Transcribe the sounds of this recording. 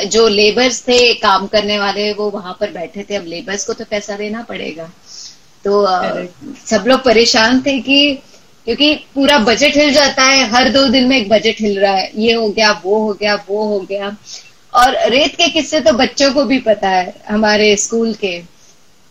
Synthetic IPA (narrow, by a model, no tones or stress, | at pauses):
d͡ʒoːleːbəɾzt̪ʰekaːmkɐɾneʋaːleʋoʋɐɦãpɐɾbɛːʈʰet̪ʰeɐbleːbəɾzkot̪opɛːsad̪eːnapɐɽḛːɡaː | t̪oː | sɐbloːɡ̚pɐɾeːʃaːnt̪ʰeki | kjõːkipuːɾabɐd͡ʒəʈɦɪld͡ʒaːt̪aɦɛɦɐɾd̪oːd̪ɪnmẽeːk̚bɐd͡ʒəʈɦɪlɾaaɦɛjeɦoɡɐjaʋoɦoɡɐjaʋoɦoɡɐjaː | ɔːɾːeːt̪kekɪsːet̪̬obɐtːʃõkobʱipɐt̪aɦɛːɦɐmaːɾeskuːlke